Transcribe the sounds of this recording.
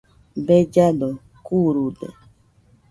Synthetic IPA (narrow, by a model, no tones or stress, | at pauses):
bed͡ʒad̪o | kuɾud̪ḛ